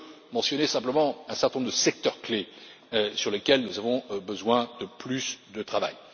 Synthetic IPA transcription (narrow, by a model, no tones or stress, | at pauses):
mɑ̃sjɔnesɛ̃pləmɑ̃ɛ̃sɛ̃ʁt̪ɛ̃nɔmd̪əsɛk̚t̪œʁkle | øsyʁləkʲɛlnuzavɔ̃bəzwɛ̃d̪əplysd̪ət̪χava̰j